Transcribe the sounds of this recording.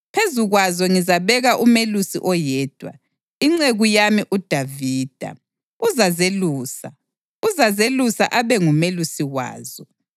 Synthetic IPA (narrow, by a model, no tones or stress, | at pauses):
pʰezuɣwazɔŋizaβɛɣaʔumelusḭʔɔjɛːd̥ʱwa̰ | iŋ͡ǀeɣujamiʔud̥ʱaviːd̥ʱa̰ | uzazeluːsa̰ | uzazelusaʔaβɛŋumelusiɣwa̰ːz̥ɔ